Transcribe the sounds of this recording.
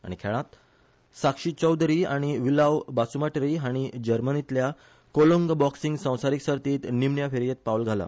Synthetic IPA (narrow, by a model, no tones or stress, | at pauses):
a̰ɽ̃ikʰɛɭãt̪ | sakʂiːt͡ɕəwd̪ɾiaɽ̃iʋilawbasumaʈɾiɦaɽ̃id͡ʑəɾmənit̪lja | koloŋɡbɔksiŋɡsə̃w̃saɾiksəɾt̪iːt̪nimɳjafeɾjet̪̚pawlɡʱala̰